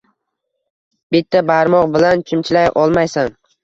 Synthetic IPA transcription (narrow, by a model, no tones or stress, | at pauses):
b̥ɪt̪ʰːabaɾmɒqbɪlant͡ʃʰɪmt͡ʃʰɪlajʔɒlˠmajsam